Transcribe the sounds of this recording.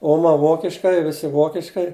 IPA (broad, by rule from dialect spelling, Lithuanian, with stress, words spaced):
ˈoːmɐ ˈʋoːkʲɪʃkɐɪ ˈʋʲɪsʲɪ ˈʋoːkʲɪʃkɐɪ